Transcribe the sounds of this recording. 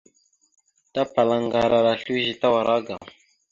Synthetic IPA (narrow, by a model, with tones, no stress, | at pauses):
ta˦pa˨la˨ŋɡa˨ɾa˨ɾa˨ɬi˦ʒi˨ta˦wa˨ɾʔa˦ɡa˨ŋ